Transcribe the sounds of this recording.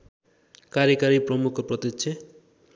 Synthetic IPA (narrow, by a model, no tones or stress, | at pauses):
kaɾjekaɾiprʌmukʰɔpɾʌt̪iʃʰe